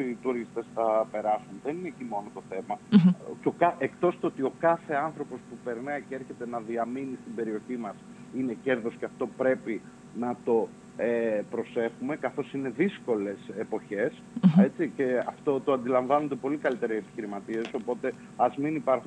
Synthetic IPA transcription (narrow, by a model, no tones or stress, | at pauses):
it̪uɾist̪e̞sθɐpe̞ɾɐsunðe̞nine̞cimo̞not̪o̞θe̞mɐcokɐekt̪o̞st̪oot̪io̞kɐθe̞ɐnθɾo̞po̞spupe̞ɾnɐicee̞ɾçe̞t̪e̞nɐðiɐminist̪ibe̞ɾio̞çimɐs | ine̞ce̞ɾðo̞sceɐft̪o̞pɾe̞pi | nɐt̪o̞ | epɾo̞se̞xume̞kɐθo̞sine̞ðisko̞le̞sepo̞çe̞s | et͡siceɐft̪o̞t̪o̞ɐnd̪ilɐɱvɐnond̪epo̞likɐlit̪e̞ɾesepi̥çiɾimɐt̪ie̞so̞po̞t̪e̞ | ɐzminipɐɾxu